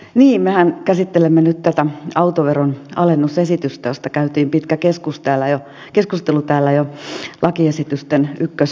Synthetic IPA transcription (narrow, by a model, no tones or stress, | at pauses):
niːmmehænkæsit̪ːelemːenyt̪t̪æt̪æɑut̪oʋeronɑlenːusesit̪yst̪æjost̪ɑkæyt̪iːmpit̪kækeskust̪æːlːˑæjo | keskust̪elut̪æːlːæjolʔɑkiesit̪yst̪enykːøs